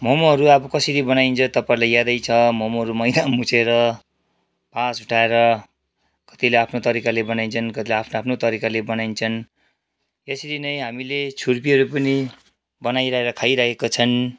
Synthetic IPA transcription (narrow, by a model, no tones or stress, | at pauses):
mʌmoɦʌɾuabʌkʌsiɾibʌnajint͡sʰʌt̪ʌpaĩlajad̪ʌjt͡sʰʌmʌmoɦʌɾumʌjd̪ʱamut͡sʰeɾʌ | pasuʈʰaeɾʌ | kʌ̥t̪ileapʰnot̪ʌɾikalebʌnaint͡sʰʌnkʌt̪ileapʰnoapʰnot̪ʌɾikalebʌnajint͡sʰʌn | jʌsiɾinʌjɦamilet͡sʰurpiɦʌɾupʌni | bʌnajɾaeɾʌkʰajɾakʰekot͡sʰʌn